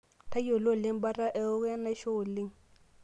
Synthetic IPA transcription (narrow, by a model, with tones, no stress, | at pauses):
tʰa˦jo˨lo˦˨lɪ˦ŋ˦ba˦ra˦ʔɛ˦ʊ˦kɛ˦na˦ʃo˦˨li˦ŋ